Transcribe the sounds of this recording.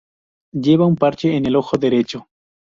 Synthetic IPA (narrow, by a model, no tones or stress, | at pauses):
ʎeβaumpaɾt͡ʃeːnelo̞xoðeɾet͡ʃo